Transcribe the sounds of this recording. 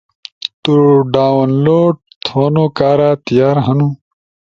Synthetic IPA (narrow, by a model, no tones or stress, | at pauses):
t̪uɖaːwɐnloːɖ̚ | t̪ʰoːnoːkaːɾaːt̪ijaːɾɦɐnũ